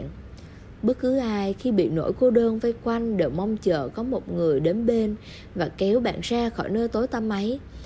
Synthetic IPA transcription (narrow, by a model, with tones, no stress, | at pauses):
n | ɓə˦˥t̚kɨ˨˦ʔaː˧jxi˧ɓḭ˧˨no̰˧˩˨jko˧ɗəː˧nva˧jkwa˧jŋ̟ɗe˧˨˩wma˧wŋ͡mt͡ɕə̰ː˧˨kɔ˨˦mo˨˩t̚ŋɨ˨˩əjɗe˨˦nɓe˧n | vaː˨˩kɛ˨˦wɓa̰ː˧˨nsaː˧xɔ̰˧˩jnəː˧jt̪o˨˦jt̪aː˧mːa˨˦j